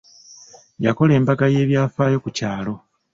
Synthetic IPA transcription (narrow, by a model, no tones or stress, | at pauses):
jako̞le̞ːmbaɡaje̞ːβjaːfaːjo̞kucaːlo̞